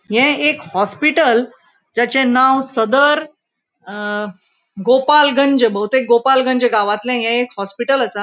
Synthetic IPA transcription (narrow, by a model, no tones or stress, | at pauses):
jɛ̃ekhɔspiʈəl | d͡ʑat͡ɕẽnawsəd̪əɾ | ɡopalɡəɲd͡ʑəbəwt̪ekɡopalɡəɲd͡ʑəɡaʋãt̪lɛ̃ɦɛ̃ekhɔspiʈələsa